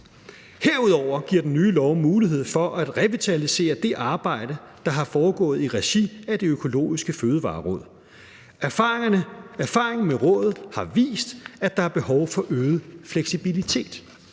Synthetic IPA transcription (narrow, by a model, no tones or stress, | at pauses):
heɐ̰uðˠɒʊ̰ɐɡ̥iɐ̰d̥enːyːlɒʊmuːliɦe̝ð̞̰ˠfɒ̽ʔæd̥ʁɛʋit͡sʰælise̝̰ːɐd̥e̝ʔɑ̈ːb̥ɑ̈ɪ̰d̥ə | d̥ɑ̈ɦɑ̈fɒːɡ̥ɔ̰̽ːð̩ˠiʁɛɕiæd̥e̝økʰo̝lo̝̰ːisɡ̥əføːð̞ˠəʋɑ̰̈ːʁɔ̽ð̰ˠ | æɐfɑ̈ːʁe̝ŋn̩meʁɔðð̞̩ˠhɑ̈ʋḭːsd̥æd̥ɑ̈æɐb̥e̝hɒʊfɒ̽ʔøːð̩ˠəfleɡ̥sib̥ilit͡sʰe̝̰ːd̥